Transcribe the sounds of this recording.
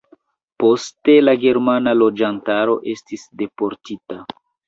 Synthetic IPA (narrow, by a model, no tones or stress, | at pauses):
po̞ste̞laɡe̞ɾmanalo̞d͡ʒantaɾo̞ʔe̞stisde̞po̞ɾtita